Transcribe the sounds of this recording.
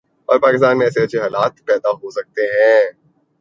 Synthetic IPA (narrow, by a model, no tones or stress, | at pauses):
ɔ̰ːɾpaːkɪs̬t̪aːnmẽɛːseɐt͡ʃʰeɦaːlaːt̪̚pɛːd̪aɦosɐk̚t̪eɦɛ̃ː